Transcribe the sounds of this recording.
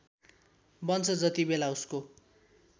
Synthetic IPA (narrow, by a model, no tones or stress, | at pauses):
bʌnt͡sʰʌd͡zʌt̪ibelausko